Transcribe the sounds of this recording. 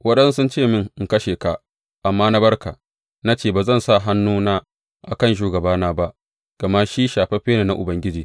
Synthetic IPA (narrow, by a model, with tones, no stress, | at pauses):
wɐ˦ɗɐ˦nsʊ˦nt͡ʃeː˦˨mɪ˦ŋ˨ŋ˨kɐ˦ʃeː˨ka˨ | ʔa˨mːaː˦na˦bɐ˦rka˨ | na˦t͡ʃeː˦˨baː˨zɐ˦nsa˦˨ɦa˦nːuː˦naː˦ | ʔa̰˨kɐ˦˨nʃ̬uː˦ɡɐ˨baː˦naː˦ba˦ʔ | ɡ̥ɐ˨ma˦ʃi˦ʃaː˨ɸe˦ɸeː˦neː˨na˦ʔʊ˨bɐ˦ŋɡʲɪ˦d͡ʒiː˨